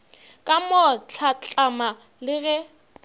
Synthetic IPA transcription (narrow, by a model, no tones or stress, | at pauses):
kʼamɔt͡ɬʰat͡ɬʼama | lɪɣɛ